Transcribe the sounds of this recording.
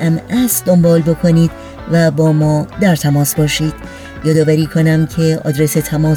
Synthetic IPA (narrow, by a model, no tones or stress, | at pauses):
æmæsd̪o̞mbɒːlbo̞kʰo̞niːd̪ | væbɒːmɒːd̪æɾt̪ʰæmɒːsbɒːʃiːd̪̥ | jɒːd̪ɒːvæɾiːkʰo̞næmcʰe̞ɒ̰ːd̪ɾeset̪ʰæmɒː